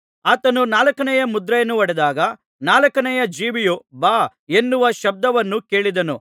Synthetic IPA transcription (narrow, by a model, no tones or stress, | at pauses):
aːt̪ɐnunaːlɐkɐnɛjɐmud̪ɾɐjɐnːuʋɐɽɛd̪aːɡɐ | naːlɐkɐnɛjɐd͡ʒiːʋijubaː | e̞nːuʋɐʃɐb̚d̪ɐʋɐnːuke̞ːɭid̪ɐnu